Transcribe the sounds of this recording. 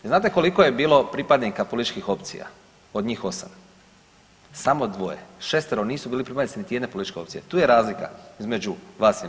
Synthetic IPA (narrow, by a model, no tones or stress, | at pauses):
znaːt̪̬e̞ko̞likoje̞biːlˠo̞pɾipad̪nikapolit̪it͡ʃkixo̞pt̪sḭja̰ | od̪ɲiːxo̞sa̰m | samod̪ʋo̞jḛʃest̪eɾoniːsubiːlipɾipad̪it̪init̪ijed̪nepolit̪it͡ʃke̞o̞pt̪sije̞t̪uːje̞ɾaːzlika̰izme̞d͡ʒuʋaːs